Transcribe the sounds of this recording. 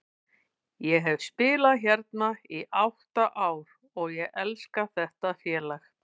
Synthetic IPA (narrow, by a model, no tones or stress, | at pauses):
jɛɦɛvspɪːlaçɛɾt̪naiʔawht̪aʔaːwɾ | ɔɣjɛɣʔɛlskaθɛht̪afjɛːlax